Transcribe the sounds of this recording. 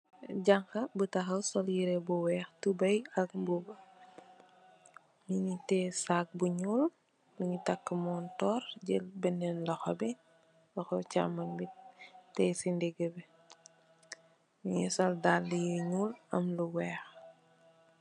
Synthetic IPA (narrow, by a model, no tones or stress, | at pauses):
ɟaŋkɐbutɐxɐwsɔljiɾɛbuwɛːxtubɐjɐkbubɐ | miɲitɛsaːk̚buɲuːl | luɲitakːəmɔːntɔːɾɟɛlbɛnɛnlɐxɔbɛ | lɐxɔwcamɐnbitɛːsindɛɡəbɛ | miɲisɔldalːijiɲuːlɐmluwɛːx